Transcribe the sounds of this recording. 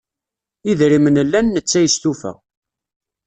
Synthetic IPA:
iðɾimənəlːænːət͡sːæjəst̪ufæ̰

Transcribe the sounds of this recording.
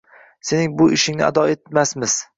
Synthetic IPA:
se̞nɪŋbʊʔɪʃɪŋnɪa̰d̪ɒet̪masmɪz̥

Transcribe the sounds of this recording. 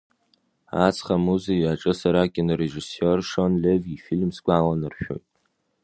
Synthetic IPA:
a̰t͡sʰʼχamuzijaʈ͡ʂʼɨsaɾakʲʼɪnreʐisorʂonlevifilmsɡʷalanɨrʃᶣo̞̰jtʼ

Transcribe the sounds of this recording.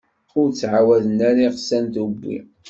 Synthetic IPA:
ʊɾt͡sːʕawæðənæɾiʁsænt̪ubːḭ

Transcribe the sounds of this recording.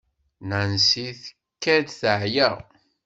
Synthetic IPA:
nansiθə̥ | kːæd̪θəʕjæ

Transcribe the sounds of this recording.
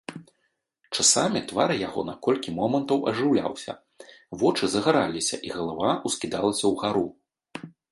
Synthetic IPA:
t͡ʂasamʲit̪vaɾɨjaɣɔ̰nakɔlʲkʲimɔmɐnt̪ɐwɐ̰ʐɨwlʲa̰wsʲɐ̰ | vɔt͡ʂɨzɐɣaɾalʲisʲɐ̰ʔiɣɐlˠavaʔuskʲid̪alˠɐsʲɐwɣaɾu

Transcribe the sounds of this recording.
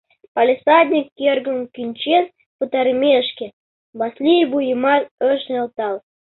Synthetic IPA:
palʲesɑd̪ʲnʲikːerɡə̆mkynʲt͡ɕen | pət̪ɑɾəmʲeəʃke | βɑslʲijbujəmɑt̪əʃnʲelt̪ɑl

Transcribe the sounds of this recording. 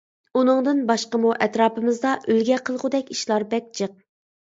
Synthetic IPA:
unɨŋd̪ɨnbɑʃqəmuʔɛt̪ɾɑːpɨmɪzd̪ɑʔølɡʲɛqʰəlˠʁʊd̪ɛkʲiʃlˠɑɾbɛk̚ʲt͡ʃʰɨq̚

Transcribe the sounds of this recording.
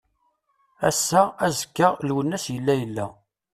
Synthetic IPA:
æ̰sːææzə̥kːəlwənːæsjəlːæjəlːæ

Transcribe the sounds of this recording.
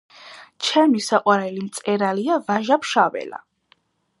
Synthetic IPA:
t͡ʃʰɛmisaqʼwaɾɛlimt̪sʼɛɾaliavaʒapʰʃavɛ̰la̰

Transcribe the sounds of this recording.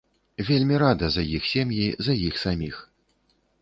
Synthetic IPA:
vʲelʲmʲiɾad̪ɐzɐjixsʲemjizɐjixsamʲix

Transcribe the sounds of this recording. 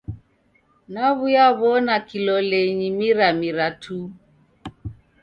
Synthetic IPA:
naβujaβɔnakilɔlɛɲimiɾamiɾatʰu

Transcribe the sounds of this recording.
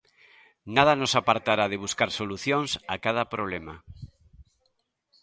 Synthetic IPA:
nað̞anosapaɾt̪aɾað̞eβ̞uskaɾsoluθjoŋsakaðapɾoβ̞lema

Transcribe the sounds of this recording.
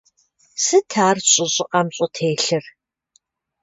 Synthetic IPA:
sɨtʰaːrɕʼɪɕʼɪqʼɐmɕʼɔtʰeːɬɨr

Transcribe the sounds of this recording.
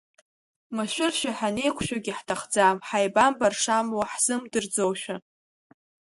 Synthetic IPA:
maʃʷᶣɪrʃᶣaħane̞jkʷʰʃᶣaɡʲɪħtʰaχd͡zamħajbambarʂamwaħz̥ɨmdɨrd͡zowʃᶣa

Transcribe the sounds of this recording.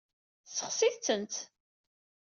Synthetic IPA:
səχsiðt͡sːənt̪

